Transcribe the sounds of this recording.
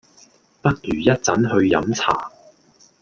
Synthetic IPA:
pɐ˥t̚jyː˨˩jɐ˥t̚t͡sɐ˨˥nɦɵ˧ɥjɐ̰˨˥mt͡sʰa̰ː˨˩

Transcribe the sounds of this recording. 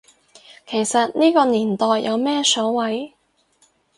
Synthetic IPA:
kʰe˨˩jsɐ˨t̚niː˥kɔː˧niː˨˩nt̪ɔː˨jːɐ˨˧wmɛː˥sɔː˨˥wwɐ˨˥j

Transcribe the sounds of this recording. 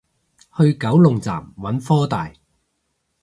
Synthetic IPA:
hɵ˧ɥkɐ˨˥wlʊ˨ŋt͡sa̰ː˨˩mwɐ˨˥nfɔː˥t̪a̰ː˨j

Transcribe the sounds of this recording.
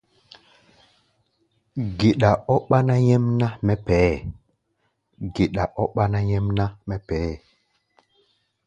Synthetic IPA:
ɡe˨ɗa˨ɔ˦ɓa˦na˦jɛ˦mna˦mɛ˦pɛ˨˦˨ | ɡe˨ɗa˨ʔɔ˦ɓa˦na˦jɛ˦mna˦mɛ˦pɛ˨˦˨

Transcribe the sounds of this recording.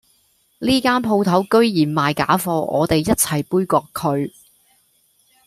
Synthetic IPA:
liː˥kaː˥npʰo˧wt̪ʰɐ˨˥wkɵ˥ɥjiː˨˩nmaː˨jka̰ː˨˥fɔː˧ʔɔ̰ː˨˧t̪e˨jːɐ˥t̚t͡sʰɐ˨˩jpuː˥jkɔː˧kʰɵ˨˧ɥ

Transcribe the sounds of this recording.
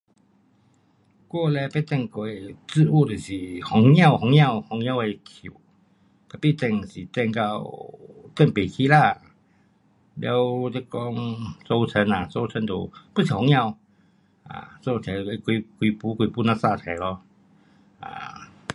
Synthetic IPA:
kwɔ˥˧lɛ˧pe˦˧t̪ɛ˥˧˨ŋkwe˨˩t͡s̩˥˧u˥˧˨t̪e˨˩ɕi˨hɔ˨˧˦ŋjã˥˧˨ʊwhɔ˧˦ŋjã˥˧whɔ˨˧˦ŋj̃ã˥˧we˧kʰṵ˨˩˨ | k̪a˨˩pi˦˨t̪ɛ˧˨ŋsi˨˩t̪ɛ˥˧ŋka˧wt̪ɛ˥˧˨ŋpe˨˩kʰi˧˦la˥˧˨ | lja˧˦wt̪e˦˧kɔ˦ŋso˧wt͡sʰə˧˦na˨so˧t͡sʰə˧˦nt̪o̰˨˩pu˥˨sʰi˨˩hɔ˨˧˦ŋjã˥˧w | a̰˨so˥˧t͡sʰɛ˨˩˨e˧˦ki˧kwi˧pu˧˦kwi˧pu˧˦nã˧sa˥˧˨t̪ʰɛ˨˩lɔ˧ | a̰˨˩

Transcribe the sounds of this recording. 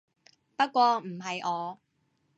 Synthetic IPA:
pɐ˥t̚kʷɔː˧m̩˨˩ɦɐ˨jʔɔː˨˧

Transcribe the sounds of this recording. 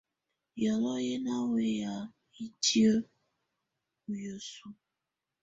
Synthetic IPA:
jɔ˨lɔ˦ɣɪ˦na˦we˨ja˨ | i˨ti˦o˦ | u˨jo˨su˦

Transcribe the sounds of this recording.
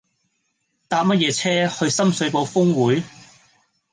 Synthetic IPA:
t̪aː˨˧p̚mɐ˥t̚jɛː˨˧t͡sʰɛː˥hɵ˧ɥsɐ˥msɵ˨˧ɥpo˨˧wfʊ˥ŋwuː˨˥j

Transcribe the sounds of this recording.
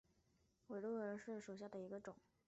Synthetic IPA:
we˨˩ɪlwɔ˥˩ə˞˧˥ʂɻ̩˥˩ʂo˨˩ɕja˥˩d̪ə˩i˧˥ɡə˧ʈ͡ʂʊ˨˩˦ŋ

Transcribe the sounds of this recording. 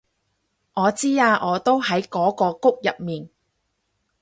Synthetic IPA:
ʔɔː˨˧t͡siː˥aː˧ʔɔː˨˧t̪o˥wɦɐ˨˥jkɔː˨˥kɔː˧kʊ˥k̚jɐ˨p̚miː˨n

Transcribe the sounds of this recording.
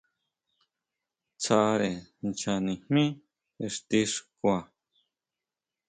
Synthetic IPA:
t͡sa˧ɾe˨nt͡ʃa˧nĩ˨hmĩ˦ | e˧ʂt̪i˧ʂkʷa˨

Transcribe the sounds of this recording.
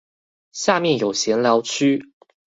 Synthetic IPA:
ɕja˥˨mjɛ˥˨njo˨˩ʊɕjɛ˧˥nljɑ˧˥ʊt͡ɕʰy˥

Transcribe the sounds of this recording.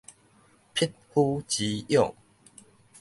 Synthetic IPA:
pʰi˦˥t̚hu˦t͡ɕi˨˦jɔ˥˨ŋ

